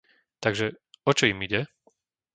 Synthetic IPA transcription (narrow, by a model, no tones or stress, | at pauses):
t̪aɡʒɛ | ɔt͡ʃɔimiɟɛ